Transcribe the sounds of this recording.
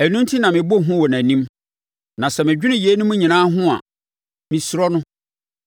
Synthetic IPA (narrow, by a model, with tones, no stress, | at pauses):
æ˨nũ˦ntʰi˦nã˨mɪ̃˨bo˦˨ɦʊ̃˦wɔ˨næ̃˨nĩ˦m | nã˨sɛ˨mɪ̃˨d͡ʑᶣi˦nʊ̃˦ji˨e˦nʊ̃˦mũ˦ɲĩ˨nãː˦ɦʊ̃˦a̰˨ | mɪ̃˨sʊ˦ɾɔ˦nʊ̃˦